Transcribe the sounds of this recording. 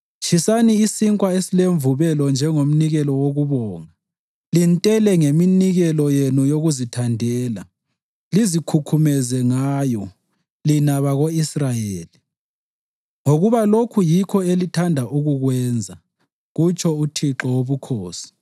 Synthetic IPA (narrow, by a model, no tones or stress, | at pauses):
t͡ʃʰisaniisiŋkʼwaesileɱvuβɛlɔnd͡ʒʱɛŋom̩niɣɛlɔwoɣuβɔːŋa | lintʼɛlɛŋeminiɣɛlɔjenujoɣuzitʰandʱɛːla | lizikʰukʰumɛzɛŋajɔ | linaβaɣoisrajeːli | ŋoɣuβalokʰujikʰɔelitʰandʱaʔuɣuɣwɛːnd͡zʱa | ɣut͡ʃʰʼɔutʰiǁɔwoβukʰoːsi̥